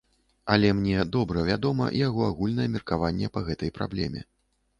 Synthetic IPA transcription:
ɐlʲɛmnʲɛd̪ɔbɾɐvʲad̪ɔmɐ̰ʔḭjaɣɔaɣulʲnɐjɛmʲirkavanʲːɛpɐɣɛt̪ɐjpɾa̰blʲɛ̰mʲɛ̰

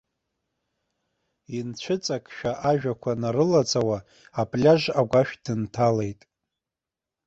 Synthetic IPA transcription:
int͡ɕʷʰɨt͡sʼakʼʃᶣaʔaʒᶣakʷʰanaɾɨlat͡sʼawaː | pʼlʲaʒaɡʷaʃᶣd̥ɨntʰale̞jtʼ

